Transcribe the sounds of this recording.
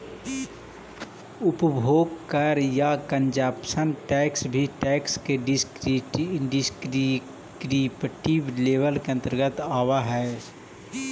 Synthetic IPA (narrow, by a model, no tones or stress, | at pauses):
ʊpbʱoːɡkəɾjakəɲd͡ʒaːpsənʈɛːksbʱiʈɛːkskeɖɪsɾɖɪskɾi | kɾiːpʈiːbleːʋəlkeə̃nt̪əɾɡət̪aːʋaɦɛː